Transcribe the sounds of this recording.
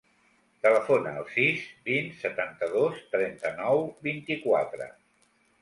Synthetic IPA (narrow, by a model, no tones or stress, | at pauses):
t̪ələfonəːlˠsizbinsət̪ant̪əðost̪ɾɛnt̪ənɔwbint̪ikwat̪ɾə̰